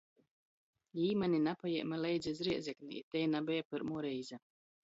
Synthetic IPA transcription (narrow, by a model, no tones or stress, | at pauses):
liːmɛnʲinapajɛ̰jmalɛjd̪zizɾiɛd̪zʲɛknḭḭt̪ɛjnabɛjapɨɾmuːɾɛjza